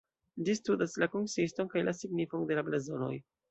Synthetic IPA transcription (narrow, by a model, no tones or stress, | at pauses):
d͡ʒistudaslakonsisto̞nkajlasiɡnifonde̞lablezono̞̰j